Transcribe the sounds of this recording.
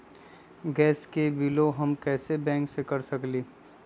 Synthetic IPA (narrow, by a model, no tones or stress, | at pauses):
ɡɛːskebɪloɦɐmkɛːsebɛ̃ːŋksekɐɾsɐkliː